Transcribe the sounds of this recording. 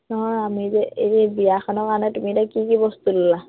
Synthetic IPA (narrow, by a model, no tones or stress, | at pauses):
nɔɦɔjamizɛeibijakʰɔnɔɹkaɹnɛtumitakikibɔstudila